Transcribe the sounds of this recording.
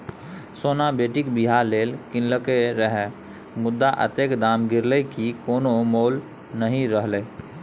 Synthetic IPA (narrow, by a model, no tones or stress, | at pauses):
soːnabeːʈikbiɦaɾleːlkɪ̃nləkeɾəɦɛ | mʊd̪ːaʔə̰t̪ekd̪aːmɡɪɾləkikoːnomoːl | nəɦĩɾəɦleː